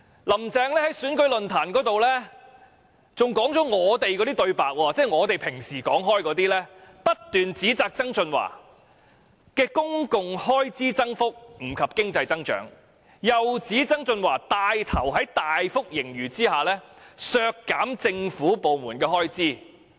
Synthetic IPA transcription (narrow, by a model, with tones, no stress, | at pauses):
lɐ˨˩mt͡sɛː˧ŋlɛː˥hɐ˨˥jsyː˨˥nkɵ˨˥ɥlɵ˨nt̪ʰaː˨˩nkɔː˨˥t̪o˨wlɛː˥ | t͡sʊ˨ŋkɔː˨˥ŋt͡sɔː˨˥ŋɔː˨˧t̪e˨jk̬ɔː˨˥t̪iː˥t̪ɵ˧ɥpaː˨k̚wɔː˧t͡sɛː˥˩ŋɔː˨˧t̪e˨jpʰɪ˨˩ŋsiː˨˩kɔː˨˥ŋɦɔː˥jkɔː˨˥t̪̬iː˥lɛː˥pɐ˥t̚t̪yː˨nt͡siː˨˥t͡saː˧k̚t͡sɐ˥ŋt͡sɵ˧nwa̰ː˨˩ | kɛː˧kʊ˥ŋkʊ˨˧ŋhɔː˥jt͡siː˥t͡sɐ˥ŋfʊ˥k̚m̩˨˩kʰɐ˨p̚kɪ˥ŋt͡sɐ˧jt͡sɐ˥ŋt͡ʃœ̰ː˨˥ŋ | jɐ˨wt͡siː˨˥t͡sɐ˥ŋt͡sɵ˧nwa̰ː˨˩t̪aː˧jt̪ʰɐ˨˩wɦɐ˨˥jt̪aː˨jfʊ˥k̚jɪ˨˩ŋjyː˨˩t͡siː˥haː˨lɛː˥sœː˧kːaː˨˥mt͡sɪ˧ŋfuː˨˥po˨wmuː˨˩nkɛː˧ɦɔː˥jt͡siː˥